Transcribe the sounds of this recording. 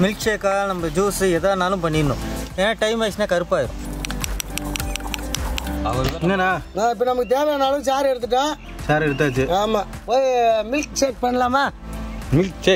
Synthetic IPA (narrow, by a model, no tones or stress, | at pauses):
mɪlk̚t͡ʃeːkaːnɐmːɐd͡ʒuːsɯɛðaːnaːlɯ̃mpɐɳːɪnːʊ̰̃ɛnːɐʈɐɪmaːsnaːkɐɾɯpːaːɪɾʊ̰̃ | ɐʋɐɾnːɐnaːnãːɪp̬ːɐnɐmɐkːɯt̪eːʋɐjanaːlɯ̃saːɾɪɾɯt̪ːɯʈːãː | saːɾɪɾɯt̪̬ːaːt͡ʃːɯaːmaːpoːjmɪlk̚t͡ʃeːk̚pɐɳːɐlaːmaː | mɪlkt͡ʃe